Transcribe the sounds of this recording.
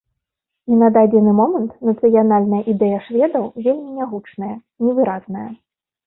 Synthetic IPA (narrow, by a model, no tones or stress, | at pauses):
inɐd̪ad͡zʲɛnɨmɔmɐnt̪nɐt̪sɨjanalʲnɐjɐʔid̪ɛjɐʂvʲɛd̪ɐwvʲelʲmʲinʲaɣut͡ʂnɐjɐ | nʲɛvɨɾaznɐjɐ